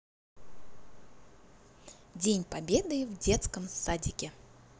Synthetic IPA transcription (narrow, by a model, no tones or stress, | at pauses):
dʲenʲpɐbʲed̪ɨvdʲe̞t̪skəmsadʲɪkʲɪ